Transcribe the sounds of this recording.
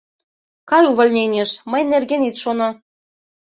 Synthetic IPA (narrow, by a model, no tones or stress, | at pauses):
kɑjuβɤ̆lʲnʲenʲeʃməjnerɣenit̪ʃonɑ̆